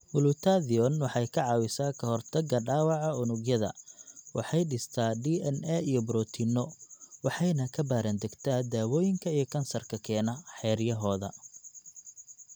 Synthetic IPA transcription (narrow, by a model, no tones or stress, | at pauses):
mʊlʊt̪ʰaðiɔnwɑħɑjkʰɐʕɑːwɪsaːkʰɐhɔrt̪ʰɐɡɐɖaːwɑʕɑʊnʊɡjɐðɐ̰wɑħɑjɖɪst̪ʰaːɖiːɛnɛijɔbɾɔt̪ʰinɔwɑħɑjnɐkʰɐbaːɾɐnd̪ɐɡt̪ʰɐd̪aːwɔːjɪŋkʰɐijɞkʰɐnsɐrkʰɐkʰɛːnɐħɛːrjɐɦɔːðɐ̰